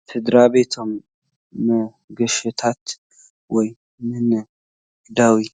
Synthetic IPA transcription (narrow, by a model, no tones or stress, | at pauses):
fʰɨd̪ɾaβe̞t̪ʰomː | ə | ɡəʃɪt̪ʰat̪ | wɔj | mɨn | ɡd̪awi